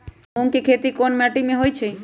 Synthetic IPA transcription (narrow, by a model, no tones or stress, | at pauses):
õŋkikʰet̪ikonmaʈimẽɦojt͡ʃʰe